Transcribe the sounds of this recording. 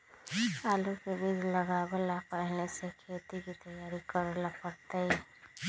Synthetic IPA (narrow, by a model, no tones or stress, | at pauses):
aːlukebid͡ʒləɡabəlapəɽnesekʰeːt̪ikit̪əjaːɾikəɾlapəɾt̪ei